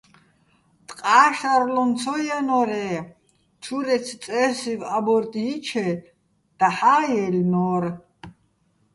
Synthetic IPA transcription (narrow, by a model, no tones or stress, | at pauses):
t̪ʼqʼaːʃaɾlɔnt͡sʰɔjanɔɾɛː | t͡ʃʰuɾɛt͡sʰt͡s̪ʼɛsivabɔɾt̪ʼit͡ʃʰɛ | d̪̥aħaːjɛlnɔːr